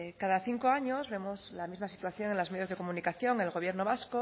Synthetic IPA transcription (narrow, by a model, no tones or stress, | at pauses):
kaðaθiŋkoaɲozβe̞mozlamizmasi̥t̪waθjo̞ŋenlozme̞ðjo̞zðekomũnikaθjo̞ŋe̞lɣoβje̞ɾno̞βasko